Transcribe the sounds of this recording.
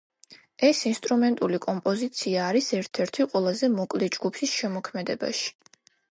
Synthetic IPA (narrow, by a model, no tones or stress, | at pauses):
ɛsinst̪ʼɾumɛnt̪ʼulikʼɔmpʼɔzit̪sʰiaːɾisɛɾt̪ʰɛɾt̪ʰiqʼwɛlˠazɛmɔkʼlɛd͡ʒɡupʰisʃɛmɔkʰmɛd̪ɛba̰ʃi̥